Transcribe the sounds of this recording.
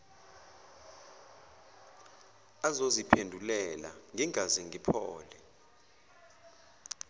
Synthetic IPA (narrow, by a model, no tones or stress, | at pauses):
azozipʰendʱulɛla̰ŋʱiŋazɛŋʱipʰɔːlɛ